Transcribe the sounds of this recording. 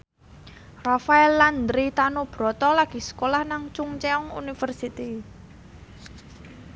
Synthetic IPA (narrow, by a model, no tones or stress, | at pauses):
rafaɛlːand̪ɾit̪anob̥ɾɔt̪ɔlaɡ̥i̤sə̥kolahnaŋt͡ʃuŋt͡ʃɛɔŋṵnifərsit̪i